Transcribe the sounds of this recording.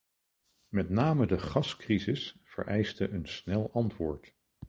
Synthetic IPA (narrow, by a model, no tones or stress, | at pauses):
mɛtnaːmədəχɑskrizɪsfə̰ɹʔɛjstəʔənsnɛlˠʔɑntʋʊːɹt